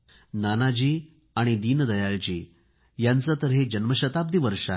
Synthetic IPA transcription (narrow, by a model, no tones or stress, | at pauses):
nanad͡ʑiː | aɽ̃id̪iːnəd̪əjalt͡ɕḭː | jant͡sat̪əɾɦed͡ʑənməɕət̪ab̚d̪iʋəɾʂa̰